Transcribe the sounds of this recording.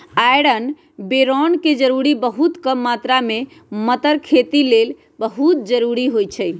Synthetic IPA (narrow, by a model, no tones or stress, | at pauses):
ajɽən | beɾɔnked͡ʒəɾuɾibəɦut̪kəmːat̪ɾame | mət̪əɾkʰet̪ilel | bəɦut̪̚d͡ʒəɾuɾiɦojt͡ʃʰəj